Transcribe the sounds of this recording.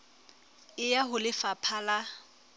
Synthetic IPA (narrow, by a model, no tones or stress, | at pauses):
ɪjaɦʊlɪfapʰala